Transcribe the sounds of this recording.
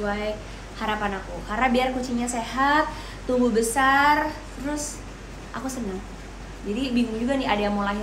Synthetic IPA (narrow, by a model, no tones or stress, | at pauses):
uaj | haɾapanakuhaɾabiarkut͡ʃiɲaseɦat̪̚ː | umɡubəsart̪əɾʊs | ʔakusənəŋ | d͡ʒadibiŋʊŋd͡ʒuɡanɪadajaŋmolaɦi